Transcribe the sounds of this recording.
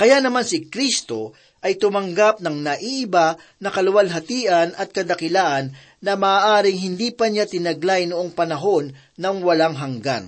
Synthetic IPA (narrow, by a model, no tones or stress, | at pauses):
kɐjanɐmansɪkɾist̪o̞ | ʔɐjt̪ʊmɐŋɡap̚nɐŋnɐʔiʔɪba | nɐkɐlʊwalɦɐt̪iːʔɐnʔɐt̪̚kɐd̪ɐkɪlaːʔɐnː | ɐmaaːʔaːɾɪŋɦɪnd̪iːpɐɲat̪ɪnɐɡlajnʊʔoŋpɐnɐɦo̞nː | ɐŋwɐlaŋɦɐŋɡa̰n